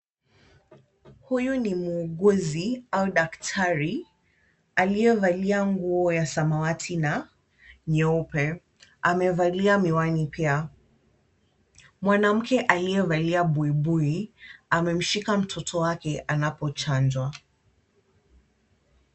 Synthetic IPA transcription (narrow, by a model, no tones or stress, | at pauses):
hujunimuːɠɔziauɗaktʰaɾi | alijɛvaliaŋɡuɔjasamawatʰina | ɲɛupɛ | amɛvaliamiwanipia | mwanam̩kɛʔaliɛvaliaɓuiɓuiamɛm̩ʃikam̩tʰɔtʰɔwakɛʔanapɔt͡ʃand͡ʒwa